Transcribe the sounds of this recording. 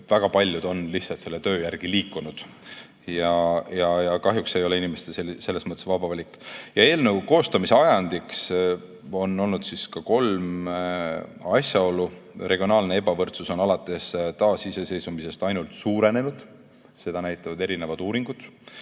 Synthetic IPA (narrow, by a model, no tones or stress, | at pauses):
t̪væɡ̥ɑpɑlʲːjud̪̥o̞nlihtsɑlt̪se̞lːet̪ø̞ːjærɡ̥iliːkːˑunud̪̥ | jɑjɑjɑkɑɦjukse̞jo̞le̞inimest̪eselse̞lːe̞smɤt̪ːˑe̞svɑb̥ɑvɑlʲikːˑjɑe̞ːlneuko̞ːst̪ɑmiseɑjɑnd̪iks | o̞nːo̞lnud̪siskɑko̞lm | ɑsjɑo̞lurʔe̞ɡ̥ʲio̞nɑːlne̞e̞bɑvɤrt̪suso̞nɑlɑt̪ːˑe̞st̪ɑːsise̞se̞jsumise̞st̪ɑjnult̪suːɾe̞ne̞nud̪̥ | se̞d̪ɑnæjt̪ːˑɑvɑd̪e̞ɾine̞vɑd̪uːɾiŋɡ̥ud̪̥